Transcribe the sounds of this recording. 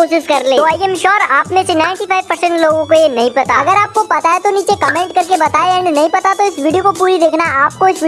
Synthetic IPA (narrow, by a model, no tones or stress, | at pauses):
oːʃɪʃkɐɾlẽːoaːiɛmʃɔːɾaːpnẽsenaːɪ̃ɳʈipʰaːɪʋpɐɾsɛ̃ɳʈloːɡõkojenɐɦĩpɐt̪aɐɡəɾaːp̚kopɐt̪aet̪oniːt͡ʃekɐmẽːɳʈ̚kɐɾkebɐt̪aːeɛ̃ːɳɖnɐɦĩpɐt̪at̪oɪsʋiːɖijokopuːɾid̪eːkʰnaaːp̚koɪsʋɪ